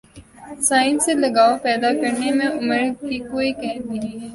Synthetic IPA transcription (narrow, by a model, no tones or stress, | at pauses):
saːɪ̃nselɐɡaːopɛːd̪akɐɾnemẽʔʊməɾkikoːikɛːt̪i